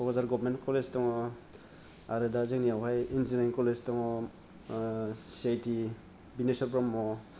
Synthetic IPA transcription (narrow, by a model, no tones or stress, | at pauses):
ɔkɔzaɾɡɔbɾmentkɔleztɔŋɔ | aɾɯdazɯknijawɦajind͡ʒiniŋkɔleztɔŋɔ | sajti | binesɔɾbɾɔmːɔ